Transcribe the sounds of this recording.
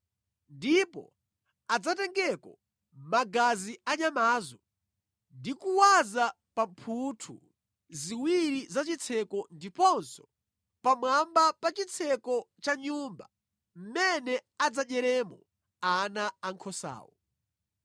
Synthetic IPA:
ndipɔ̰ | ad͡zatɛŋɡɛkɔ | maɡaziaɲamaːzɔ | ndikuwaza | pampʰutʰṵ | ziwiɾizat͡ʃit͡sʰɛkɔndipɔnsɔ | pamwambapat͡ʃit͡sʰɛkɔt͡ʃaɲumba | m̩mɛnɛad͡zaɗɛɾɛmɔ | anaaŋkʰɔsa̰ːwɔ̰

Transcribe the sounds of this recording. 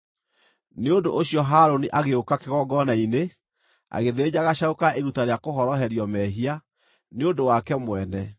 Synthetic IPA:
neondo̰ʔoɕiɔɦaɾoniʔaɣeokakeɣɔɡɔnaine | a̰ɣeðed͡ʑaɣaɕaokaʔeɾutaɾeakoɦɔɾɔɦɛɾjɔmɛɦia | neondowakɛmwɛnɛ

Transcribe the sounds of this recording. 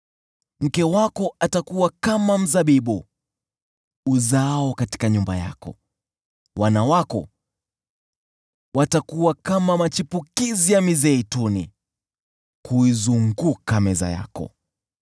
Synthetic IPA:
m̩kɛwakɔʔatakuwakamam̩zaɓiɓu | uzaɔkati̥kaɲumba̰ja̰kɔ̰ | wanawakɔ̰ | watakuwakamamat͡ʃipukizijamizɛitunḭ | kuizuŋɡukamɛza̰ja̰kɔ̰

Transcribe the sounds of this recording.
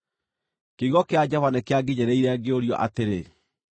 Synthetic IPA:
keiɣɔkead͡ʑɔvanekeaɡiɲɛɾeiɾɛaɡeoɾiɔ̰ʔa̰teɾe

